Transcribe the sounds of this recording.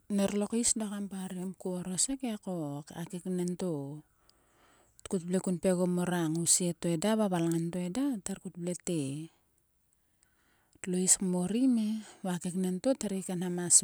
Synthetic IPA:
neɾlo̞kisdakampaɾiamkuoɾosekekokakeknento̞ | tkut̚blekunpe̞ɡomoɾaŋusietoedaβaβalŋantoedataɾkut̚blete | tloiskmo̞ɾimeβakeknento̞taɾikanhamas

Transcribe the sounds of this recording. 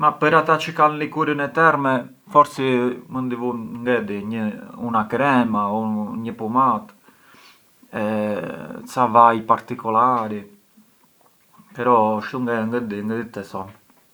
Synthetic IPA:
mapəɾat̪at͡ʃəkallikuɾənɛt̪ɛɾmɛ | fɔɾsimənd̪ivunŋɡɛd̪iɲəunakɾɛmaɔɲəpumat̪ | ɛ | t͡savajpaɾt̪ikɔlaɾi | pɛɾɔʃuŋɡɛŋɡɛd̪iŋɡɛd̪it̪ːɛsɔn

